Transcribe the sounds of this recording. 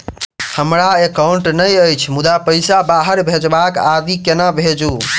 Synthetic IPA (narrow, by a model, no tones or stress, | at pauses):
həmɾaekauɳʈnəjəjt͡ʃʰmud̪apəjsabaɦəɾbʱed͡ʒbakad̪ikenabʱed͡ʒu